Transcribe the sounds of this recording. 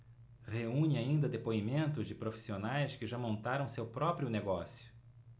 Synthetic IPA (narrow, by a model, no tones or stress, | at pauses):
heũɲɪaĩnd̪ɐd̪epoimẽnt̪ʊzd͡ʒɪpɾofi̥sionajskɪʒamõnt̪aɾɐ̃w̃sewpɾɔpɾjʊneɡɔsjʊ̥